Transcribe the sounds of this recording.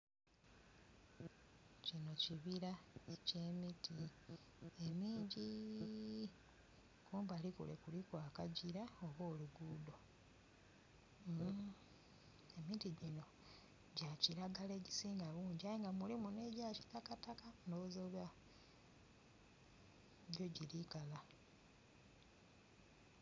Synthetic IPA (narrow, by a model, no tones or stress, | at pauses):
cino̞ciβiɾace̞ːmiti | emiːɲɟi | kuːmbalikṵlḛkulikwaːkaɟiɾaoβo̞ːluɡuːdo̞ | e̞mitiɟino̞ | ɟaciɾaɡale̞ːɟisiːŋɡaβuːɲɟiajiŋɡamulimune̞ɟaciɾatkatakanozoːlwa | ɟo̞ɟilikala